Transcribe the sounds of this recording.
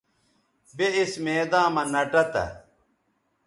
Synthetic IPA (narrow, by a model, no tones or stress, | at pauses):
beismeːd̪ãːmɐnɐʈɐt̪ɐ̰